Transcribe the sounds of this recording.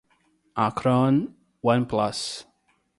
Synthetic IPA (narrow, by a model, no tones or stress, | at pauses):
ʔakʰɹɔn | wʌ̃npʰlas